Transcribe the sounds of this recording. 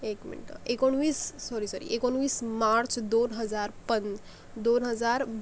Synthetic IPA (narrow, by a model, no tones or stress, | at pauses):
ekmḭɳʈa̰ʔekoɳʋiːsːɔɾisɔɾḭʔekoɳ̃ʋiːsmaɾt͡ɕd̪onɦəd͡zaɾpən | d̪onɦəd͡zaɾ